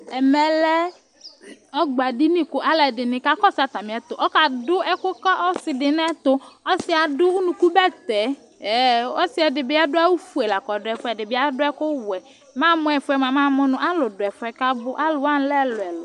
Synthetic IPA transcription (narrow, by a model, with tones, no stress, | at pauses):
ɛ˨mɛ˨lɛ˦ | ɔ˦ɡ͡ba˨di˦nĩ˦kʊ˨ʔa˦lɛ˨dɪ˨nɪ̃˨ka˦kɔ˦sa˨t̪a˨mɪ̃˨ɛ˨t̪ʊ˨ʔɔ˦ka˨dʊ˦ɛ˦kʊ˦kɔ˦ʔɔ˦sɪ˨dɪ˨n˦ɛ˦t̪ʊ˦ɔ˦sɪ˦a˨dʊ˦u˦nũ˨ku˦bɛ˦t̪ɛ˨˦˨ | ɔ˦sɪ˦ɛ˨dɪ˨bɪ˦a˦dʊ˦a˦wu˦fu˦e˨la˨kɔ˨dʊ˨˦ɛ˨fʊ˦ɛ˨dɪ˨bɪ˦a˦dʊ˦ɛ˦kʊ˦wʊ˨ɛ˨ | mã˦mʊ˦ɛ˨fɛ˨mã˨mã˦mʊ˦nʊ̃˦ʔa˦lʊ˨dʊ˨ɛ˨fʊ˦ɛ˨ka˦bʊ˦ʔa˦lʊ˨a˦n˦lɛ˦˨lʊ˨ɛ˨lʊ˨